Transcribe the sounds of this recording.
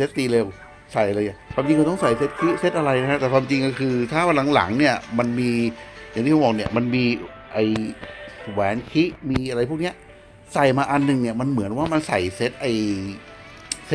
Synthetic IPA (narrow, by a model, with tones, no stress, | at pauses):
se˦˥t̪̚d̪iː˧leː˧w | sa˨˩jʔlɤː˧ja˨˩kʰaː˧mt͡ɕi˧kɔ˧˩t̪ɔ˥˩ŋsa˨˩jse˦˥t̪̚sʰɯ˦˥se˧˦˥t̪̚ʔa˧ɾa˧jna˦˥kʰa˦˥t̪ɛː˨˩kʰwaː˧mt͡ɕi˧ŋkɔ˥˩kʰɯː˧t̪ʰaː˥˩pʰa˧la˩˨˦ŋla̰˩˦ŋni˥˩ɐma˧nmiː˧ja˨˩ŋt̪iː˥˩˧bɔː˨˩kni˥˩ɐma˧nmiː˧ | ʔa˨˩j | wɛː˨˩˦nkʰi˦˥ʔmiː˧ʔa˧ɾa˧jpʰu˥˩k̚ni˦˥ɐʔ | sa˨˩jmaː˧ʔa˧nːɯ˨˩ŋni˥˩ɐma˧nmɯ˩˦ənwaː˥˩ma˧nsa˨˩jse˦˥t̪̚ʔa˧˩j | se˦˥